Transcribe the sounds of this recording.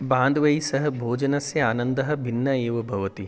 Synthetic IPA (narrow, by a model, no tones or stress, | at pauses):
bãːnd̪ʱʋɐjsɐɦɐbʱoːd͡ʒɐnɐsjɐaːnɐnd̪ɐɦɐ̆bʱinːɐeːʋɐbʱɐʋɐt̪i